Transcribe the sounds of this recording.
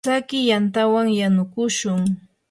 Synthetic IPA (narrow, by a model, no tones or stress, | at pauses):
akɪjant̪awaŋjanʊkʊʃʊŋ